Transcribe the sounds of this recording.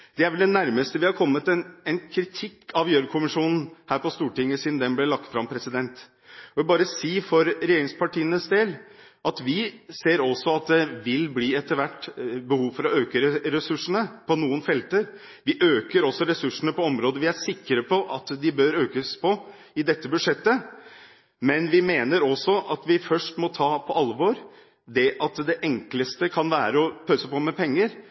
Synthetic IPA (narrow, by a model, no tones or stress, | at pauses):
d̪ɛæɾʋɛld̪ɛnːæɾməst̪əʋɪhɑɾkʰɔmːət̪ɛnɛnkʰɾɪt̪ʰɪkʰːɑʋjøɾkʰʊmɪʂuːnn̩hæːɾpɔst̪uːʈɪŋːəsiːd̪n̩d̪ɛnblɪɭɑk̚t̪fɾɑmpʰɾɛsɪd̪ɛnt̪ | ɔʋɛbɑːɾəsiːfɔɾɾɛjeːɾɪŋspɑʈiːənəsd̪eːlɑt̪ʋɪseːɾɔsːɔɑt̪̚d̪ɛʋɪlbliːɛt̪ːəɾʋæʈːbəhuːʋfɔɾɔøːkəɾɾɛsʉʂəɳəpʰɔnuːənfɛlt̪əɾ | ʋɪʔøːkəɾɔsɔɾɛsʉʂːəɳəpɔɔmɾoːd̪əʋɪæʂɪkːəɾəpʰɔʔɑt̪d̪ɪbøːɾøːkəspʰɔ | ɪd̪ɛt̪ːəbʉd̪ʂɛt̪ːə | mɛnʋɪmeːnəɾɔsɔʔɑt̪ʋɪfœʂʈmɔt̪ʰɑːpʰɔʔɑlːəʋoːɾ | d̪ɛʔɑt̪d̪ɛʔɛŋkləst̪əkʰɑnʋæːɾəɔpʰøːsəpɔmɛpʰɛŋːəɾ